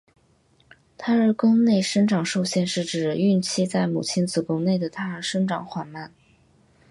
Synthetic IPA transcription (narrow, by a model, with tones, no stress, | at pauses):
t̪ʰa˥ə˞˥˩kʊ˥ŋne˥˩ɪʂə˥nʈ͡ʂɑ˨˩ŋʂo˥˧ʊɕjɛ˥˧nʂɻ̩˥˩ʈ͡ʂɻ̩˨˩y˥˧nt͡ɕʰi˥˧t͡sa˥˩ɪmṵ˨˩t͡ɕʰi˥nt͡sɹ̩˨˩kʊ˥ŋne˥˩ɪd̪ə˩t̪ʰa˥ə˞˥˧˩ʂə˥nʈ͡ʂɑ˨˥ŋxwa˨˩nma˥˩n